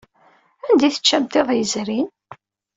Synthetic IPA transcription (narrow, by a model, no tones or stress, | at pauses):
ænd̪iθə̥t͡ʃːæmt̪eðˤjəzɾin